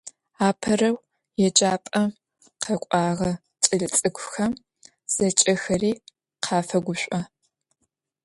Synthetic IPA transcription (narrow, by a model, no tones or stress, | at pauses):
aːpʰɐrɐw | jɛd͡ʒʼaːpʼɐ | qʰɐkʷʼɑːʁɐ | t͡ʃʼɐɮɨt͡sʼɨɡʷʰʼʊxɐm | z̥ɐt͡ʃʼɐxɐriː | qʰɑːfɐɡʷʊɕʷʼɔ